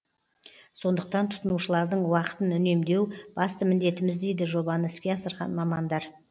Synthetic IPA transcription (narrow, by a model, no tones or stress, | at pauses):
so̞nd̪əq̚t̪ɑnt̪ʰʊ̥t̪ənuʃəlˠɑɾd̪əɴwɑqə̥t̪ənʏne̞md̪e̞wb̥ɑst̪əmɪnd̪e̞t̪ɪmɪzd̪e̞jd̪ɪʒo̞bɑnəɪskʲe̞ɑsəɾʁɑ̰nmɑmɑnd̪ɑɾ